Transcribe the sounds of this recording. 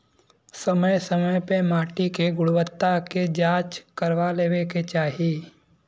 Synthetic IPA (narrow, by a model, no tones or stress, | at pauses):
səməjsəməjpemaːʈikeɡʊɽwət̪ːaked͡ʒaːt͡ʃkəɾʋaleːweket͡ʃaːɦi